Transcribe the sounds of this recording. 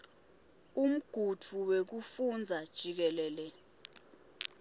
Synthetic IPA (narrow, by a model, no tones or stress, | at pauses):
um̩ɡ̥ʱut͡fʰuwek̬ufund͡zʱad̥ʒ̥ʱik̬ɛlɛːlɛ